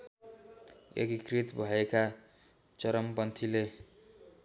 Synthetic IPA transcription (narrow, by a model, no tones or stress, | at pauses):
ḛkikrit̪bʱʌeka | t͡sʌɾʌmpʌnt̪ʰile